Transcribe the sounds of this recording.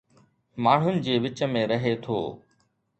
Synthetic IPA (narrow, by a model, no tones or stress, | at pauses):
maːɳ̤ʊnɪ̆d͡ʑeːʋɪt͡ɕəmẽːɾəɦeːt̪ʰo̰ː